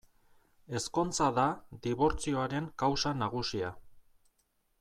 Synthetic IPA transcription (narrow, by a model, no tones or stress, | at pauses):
e̞sko̞nt͡saðad̪iβo̞ɾt͡sio̞aɾe̞ŋkawsanaɣ̞usia